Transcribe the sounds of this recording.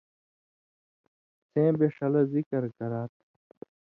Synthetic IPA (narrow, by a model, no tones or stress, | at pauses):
sẽːbeʂɐlɐzikɐɾkɐɾaːt̪̚